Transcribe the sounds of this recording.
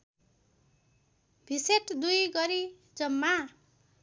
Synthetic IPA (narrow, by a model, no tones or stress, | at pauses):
bʱiseʈd̪ujɡʌɾi | d͡zʌmːa